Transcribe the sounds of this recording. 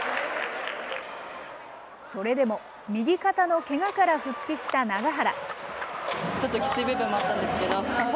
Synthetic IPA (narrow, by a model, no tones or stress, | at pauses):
so̞ɾe̞d̪e̞mo̞ | mʲiɡʲikat̪ano̞ke̞ŋakaɾaɸɯ̟kʲːiɕi̥t̪anaɡaɦaɾa̰ | t͡ɕo̞t̪ːo̞kʲi̥t͡sɨibebẽmːoat̪ːãnd̪esɨ̥ke̞d̪o̞